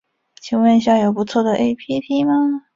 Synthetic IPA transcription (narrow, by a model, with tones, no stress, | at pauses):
t͡ɕʰi˨˩ŋwə˥˧ni˧˥ɕ̬jɑ˥˩jo˨˩pu˧˥t͡sʰwɔ˥˩d̪ə˩ʔe˥˩ɪpʰi˥t̪ʰi˥mɐ˧